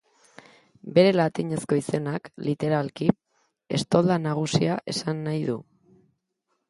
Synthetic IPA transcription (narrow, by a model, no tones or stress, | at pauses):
be̞ɾe̞lat̪iɲe̞sko̞ise̞naklit̪e̞ɾalki | e̞̰st̪o̞ld̪anaɣ̞usiaʔe̞sanːajðu